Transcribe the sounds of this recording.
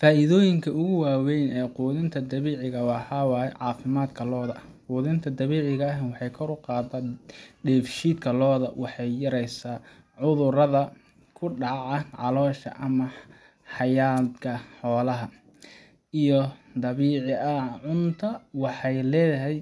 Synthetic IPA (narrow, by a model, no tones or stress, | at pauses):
faːʔɪðɔːjɪŋkʰɐʊɣʊwaːwɛjnɛːquːðɪnt̪ʰɐd̪ɐβiːʕɪɣɐwɑːħɑwɑːjɛʕɑːfɪmaːd̪kʰɐlɔːðɐ | quːðɪnt̪ʰɐd̪ɐβiːʕɪɣɐwɑħɑjkʰɔɾʊqɑːd̪ɐɖɛːfʃiːd̪kʰɐlɔːðɐwʔɑħɑjːɐɾɛjsaː | ʕʊðʊrɐðɐ | kʰʊɖɑʕɑʕɑ̰lɔːʃɐ̰ʔɐmɐ | ħɑjaːd̪kʰɐħɔːlɐɦɐ | ijɔd̪ɐβiːʕɪʔɐʕʊnt̪ʰɐwɑħɑjlɛːjɐɦɛj